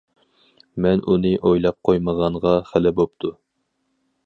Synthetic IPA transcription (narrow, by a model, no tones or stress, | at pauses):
mɛnʔunɨʔojlˠɑp̚qʰojməʁɑɴʁɑχælɪbop̚t̪ʰu